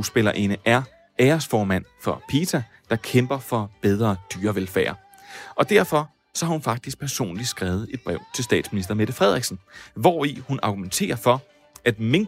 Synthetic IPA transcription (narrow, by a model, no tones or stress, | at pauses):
usb̥e̝lɐʔe̝nəʔæɐ | ɛːɐsfɒːmæn̰fɒ̽pʰḭt͡sʰæ | d̥ɑ̈kʰemb̥ɐfɒ̽b̥eð̞ˠʁɐːd̥yːɐʋelfæ̰ːɐ | ʔɒ̽d̥æɐ̰fɒ̽ | sɒ̽hɑhunfɑ̈ɡ̥̚d̥isɡ̥̚pʰæɐso̝̰ːnli̥sɡ̥ʁaːʊð̞̩ˠe̝d̥̚b̥ʁɛʊ̰t͡sʰe̝lsd̥ɛ̰ːd̥sminisd̥ɐme̝d̥əfʁɛð̞̰ˠʁeɡ̥snʋɒihunʔɑ̈ɡ̥ument͡sʰe̝̰ːɐfɒ̽ | ʔæd̥meŋ